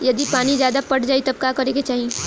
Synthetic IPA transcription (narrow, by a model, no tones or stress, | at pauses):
jɐd̪ipaːnizjaːd̪apɐʈd͡ʒaːit̪ɐb̚kaːkɐɾẽːɡet͡ʃaːɦie